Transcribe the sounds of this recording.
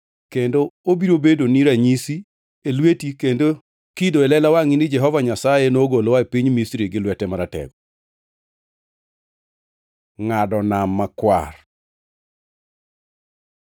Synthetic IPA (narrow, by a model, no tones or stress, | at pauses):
kendoobiɾobedoniɾaɲisi | elwetikendo | kidoɛlɛlawaŋinɪd͡ʒɛɦɔvaɲasajenoɡolowapiɲmistɾiɡɪlwɛtɛmaɾatɛ̰ɡɔ | ŋadɔnamːakwa̰r